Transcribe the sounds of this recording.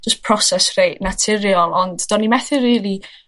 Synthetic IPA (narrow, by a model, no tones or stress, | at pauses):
d͡ʒəstpʰr̥ɔsɛsrejʔnatʰɪɾjɔlˠɔndd̥ɔnimɛθɪriːlˠi